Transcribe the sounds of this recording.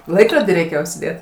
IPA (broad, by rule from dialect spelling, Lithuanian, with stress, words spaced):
ˈlˠɐɪkroːdʲiː rʲɛɪˈkʲeːjoː ʊʃʲsʲɪˈdʲeːt